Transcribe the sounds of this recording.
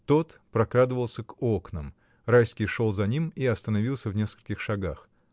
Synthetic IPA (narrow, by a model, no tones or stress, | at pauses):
t̪o̞t̪pɾɐkɾad̪ɨvəlˠsʲəko̞knəm | rajskʲɪjʂo̞lˠzɐnʲimiɐst̪ənɐvʲilˠsʲəvnʲe̞skə̥lʲkʲɪxʂɐɡax